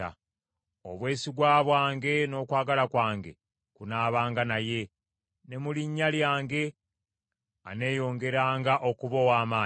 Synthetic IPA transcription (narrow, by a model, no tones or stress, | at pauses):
a̰ | o̞̰βwe̞ːsiɡwaːβwaːŋɡe̞no̞ːkwaːɡalakwaːŋɡe̞̰ | kunaːβaːŋɡanaje̞ | ne̞muliɲːaljaːŋɡe̞ | ane̞ːjo̞ːŋɡe̞ɾaːŋɡaʔo̞kuβo̞ːwaːmaː